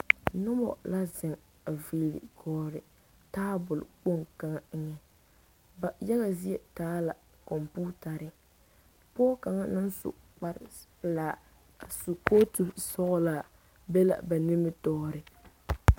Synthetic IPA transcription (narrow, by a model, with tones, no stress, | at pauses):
nʊ˦bɔ̰˨la˦zɪ˨ŋ | a˨viː˨lɪ̰˨kʰɔː˦ɾɪ˨ | taː˦bʊ˨lʊ˨k͡po˦ŋka˨ŋa˨ŋ˦ŋɛ˨ | ba˨ja˦ɣa˨zi˦e˨taː˦la˨ | kɔ˨mpuː˦ta˨ɾɪ˦ | pɔː˦ka˨ŋa˦nɪ˦n˦sʊ̰˨ | k͡pa˦ɾɪ˨plaː˨ | su˨ko˦tu˨sɔ˦ɣla˨ | bɛ˦la̰˨ba˨nɪ˦mɪ˦tɔː˦ɾɪ˨